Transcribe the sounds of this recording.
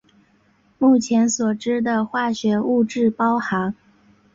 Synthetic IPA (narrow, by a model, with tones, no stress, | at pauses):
mu˥˩t͡ɕʰjɛ˧˥nswɔ˨˩ʈ͡ʂɻ̩˥d̪ə˨xwa˥˩ɕɥɛ˧˥u˥˧ʈ͡ʂɻ̩˥˩pɑ˥ʊxɑ˧˥ŋ